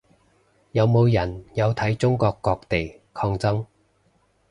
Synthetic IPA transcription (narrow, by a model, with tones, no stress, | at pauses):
jɐ˨˧wmo˨˧wjɐ˨˩njɐ˨˧wt̪ʰɐ˨˥jt͡sʊ˥ŋkɔː˧kːɔː˧k̚t̪e˨j | kʰɔː˧ŋt͡sɐ˥ŋ